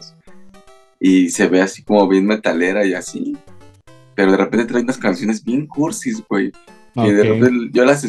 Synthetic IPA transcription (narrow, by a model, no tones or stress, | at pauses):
s | ise̞βe̞asi̥ko̞mo̞βje̞nme̞t̪ale̞ɾaiasi | pe̞ɾo̞ðe̞repent̪et̪ɾajunaskansjo̞ne̞zbje̞ŋkuɾsizɣwe̞j | keðereʝo̞lase